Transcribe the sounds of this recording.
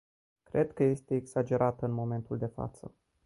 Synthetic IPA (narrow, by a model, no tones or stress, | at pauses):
kɾe̞d̪kəje̞st̪e̞ːɡsad͡ʒe̞ɾat̪ɨnmo̞me̞nt̪uld̪e̞fa̰t̪sə̰